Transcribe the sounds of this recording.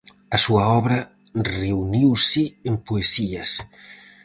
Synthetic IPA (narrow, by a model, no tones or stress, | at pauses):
ɐsuɐɔβɾɐ | reuniwsiempoesiɐs